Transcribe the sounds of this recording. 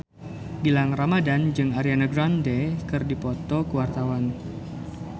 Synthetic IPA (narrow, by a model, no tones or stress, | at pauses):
bilaŋramadand͡ʒɨŋaɾianaɡɾandekɨrdipɔt̪ɔkuwart̪awan